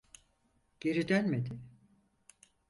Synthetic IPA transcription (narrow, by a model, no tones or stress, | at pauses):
ɟ̥e̞ɾid̪ænmed̪ɪ